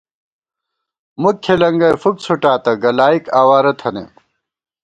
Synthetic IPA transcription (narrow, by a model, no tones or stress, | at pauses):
mukʰːelɐŋɡɐjfuk̚t͡sʰuʈaːt̪ɐɡɐlaːikaːwaːɾɐt̪ʰɐnḛ